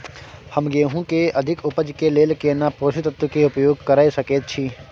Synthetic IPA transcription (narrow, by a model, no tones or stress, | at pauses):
hɐmɡeːɦũkeɐd̪ʱɪkʊpəd͡ʒkeleːlkenapoːʃit̪ɐt̪wəkeʊpjoːɡ̚kɐɾaːisɐkeːt̪̚t͡ʃʰiː